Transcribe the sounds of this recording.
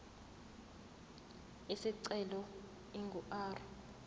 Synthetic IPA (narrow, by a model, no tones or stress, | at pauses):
isiǀɛlɔ | iŋɡʱuʔaːrɔ